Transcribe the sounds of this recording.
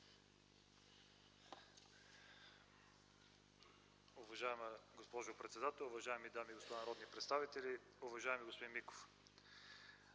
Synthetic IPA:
ʊvɐʒaɛməɡospɔʒʊpɾɛt̪sɛd̪at̪ɛlˠʊvɐʒaɛmid̪amiɡospod̪anɐɾɔd̪nipɾɛt̪st̪avit̪ɛlʲi | ʊvɐʒaɛmiɡospod̪inmːiko̥f

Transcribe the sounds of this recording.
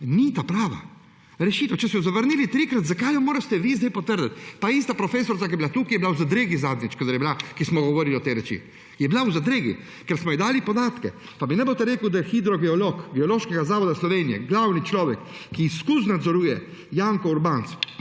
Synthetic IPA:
nit̪apɾaːʋa̰ | ɾɛʃiːt̪wt͡ʃɛsɛjɔzaʋəɾnilit̪ɾikɾat̪zakajɔmoːɾast̪ɛʋiːzd̪ajpɔt̪əɾd̪ɛt̪paist̪apɾɔfeːsɔɾt̪ak̬ijɛbilat̪ukijɛbilawzad̪ɾeːɡizaːd̪nit͡ʃkɔd̪ɛɾjɛbilakismɔɡɔʋɔɾiliɔt̪ɛɾɛt͡ʃḭ | jɛbilauzad̪ɾeːɡḭ | kɛɾsmɔjid̪aːlipɔd̪aːt̪kɛ̰ | paminɛbot̪ɛɾeːkuwd̪ajɛxid̪ɾɔɡɛɔlokɡɛɔloːʃkɛɡazaːʋɔd̪aslɔʋenijɛ̰ɡlawnit͡ʃlɔːʋɛkːiːskus̬nad̪zɔɾuːjɛ | jaŋkɔuɾbaːnt̪s

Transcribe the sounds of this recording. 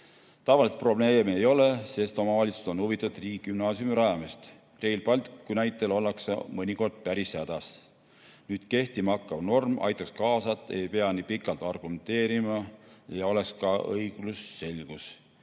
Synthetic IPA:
t̪ɑvɑliset̪̚pro̞ble̞ːmiejo̞le̞se̞st̪o̞mɑvɑlʲit̪su̥so̞nhuvit̪ːˑɑud̪̥riːkːymnɑːsjumiɾɑjɑmist̪ | re̞jlpɑlʲt̪ikːˑunæjt̪ːˑe̞lo̞lːɑksɑ̰mɤnʲiko̞rd̪̥̚pæɾishæd̪̥ɑs | nyːd̪̥ke̞ht̪imɑkːˑɑvno̞rmɑ̰jt̪ːˑɑkskɑːsɑt̪ːˑe̞jpe̞ɑnipikːˑɑlt̪ˑɑrɡ̥ume̞nt̪e̞ːɾimɑjɑo̞le̞kskɑʔɤjɡ̥lusːe̞lɡ̥us

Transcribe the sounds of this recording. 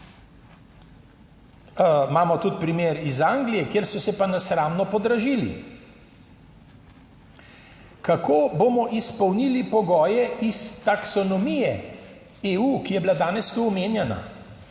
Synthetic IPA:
maːmɔt̪ut̪̚pɾimeːɾizaŋɡlijɛkjeːɾsɔsɛpanasɾaːmnɔpɔd̪ɾaʒiːlḭ | kakoːbomɔʔispɔwnilipɔɡɔːjɛist̪aksɔnɔmijɛ | euːkijɛbilad̪aːnɛst̪uɔmeːnjɛna̰

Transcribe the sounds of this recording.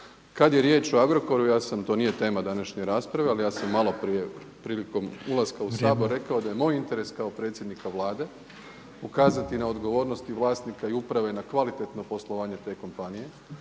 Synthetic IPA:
kad̪jeɾje̞ːt͡ʃo̞aɡɾo̞ko̞ɾujaːsamt̪o̞ːnije̞t̪e̞ːmad̪anaʃɲeɾaːspɾaʋealijaːsamːalo̞pɾije̞ | pɾiːliko̞mulˠaskausaːbo̞ɾːe̞kaod̪aje̞mo̞ːjint̪e̞ɾe̞skao̞pɾe̞t̪sjd̪nikaʋlˠaːd̪e̞ | ukaːzat̪inao̞d̪ɡo̞ʋo̞ːɾno̞st̪iʋlˠaːst̪nikaiupɾaʋe̞nakʋalit̪e̞t̪no̞po̞slˠoʋaːɲe̞t̪e̞ːko̞mpanije̞

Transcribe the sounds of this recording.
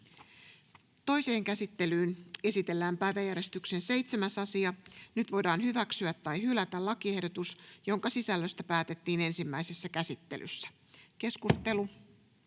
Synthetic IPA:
t̪o̞jse̞ːŋkæsit̪ːe̞lyːne̞sit̪e̞lːæːmpæjʋæjæɾe̞st̪ykse̞nse̞jt̪semæsɑsiɑnyt̪ʋo̞jdɑːnɦyʋæksyæt̪ːɑjhylæt̪ælɑkie̞hdot̪usjo̞ŋkɑsisælːøst̪æpæːt̪e̞t̪ːiːne̞nsimːæjsesːækæsit̪ːe̞̰lʔy̰sːæ̥ | ke̞skust̪e̞lu

